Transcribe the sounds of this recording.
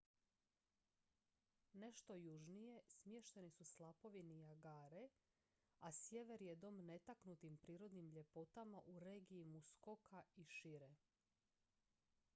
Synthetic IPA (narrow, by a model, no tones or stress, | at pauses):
ne̞ʃt̪o̞juʒnije̞smje̞ʃt̪e̞nisuslˠapo̞ʋinijaɡaːɾe | asje̞ʋe̞ɾje̞d̪o̞mne̞t̪aknut̪impɾiːɾo̞d̪nimʎe̞po̞t̪amaʔuɾeːɡiimusko̞kaiʃiɾe